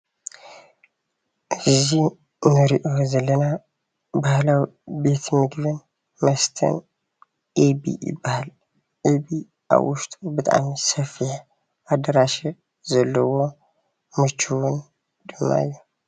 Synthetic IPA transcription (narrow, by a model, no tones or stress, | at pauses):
ʔɨzi | nɨɾiʔozɐlːəna | bahlawbe̞t̪mɨɡβɨn | mɐst̪ʰɐ̰n | ʔebḭɪ̰bahl | ʔebi | a̰wʔʊʃt̪ʼubɨt̪ʼa̰msəfːiħ | ʔad̪əɾaʃi | zɐlːɐwo | mɨt͡ʃːuwʊn | d̪̥ɨmːa̰jːɛ